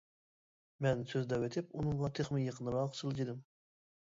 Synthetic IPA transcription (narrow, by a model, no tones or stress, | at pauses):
mɛnsøzd̪ɛwet̪ʰɪpunɨŋlˠɑt̪ʰɨχmɨjɑqʰənɨɾɑqsʰɨlˠɨd͡ʒid̪ɪm